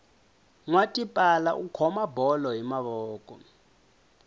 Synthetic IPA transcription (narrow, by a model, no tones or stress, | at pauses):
ŋwatʼipʼalaʔukʰɔmabɔlɔɦimaɓɔːkʼɔ